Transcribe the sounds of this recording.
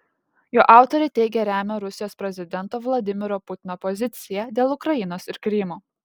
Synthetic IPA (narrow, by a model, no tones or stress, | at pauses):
joːʔɑˑʊt̪ɔɾʲɛɪt̪ʲɛɪɡʲɛɾʲæːmʲɛɾʊsʲɪjoːspʲɾʲɛzʲɪd̪ʲɛnt̪oːʋlˠɐd̪ʲɪmʲɪɾoːpʊt̪ʲɪnoːpɔzʲɪt̪sʲɪjɛd̪ʲeːlˠʊkɾɐjɪnoːsɪɾkɾʲɪmoː